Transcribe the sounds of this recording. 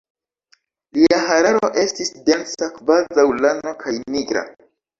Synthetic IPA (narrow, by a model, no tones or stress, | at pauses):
liaɦaɾaɾo̞ʔe̞stisde̞nsakvazawlano̞kʰajniɡɾa̰